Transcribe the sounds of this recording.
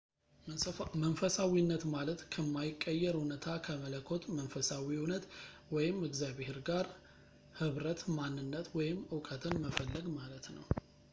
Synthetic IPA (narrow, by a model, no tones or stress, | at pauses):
mənfəsawinːət̪malət̪kʰəmːajɪkʼːəjːɛɾunət̪ʰakʰəmələkʰːo̞t̪mənfəsawiunət̪ | wɔjɪmɨɡzaβeheɾɡaɾ | hɨβɾət̪manːɨnːət̪wɔjɪmɨwkʼət̪ʰɨnməfəlːəɡmalət̪nə̰w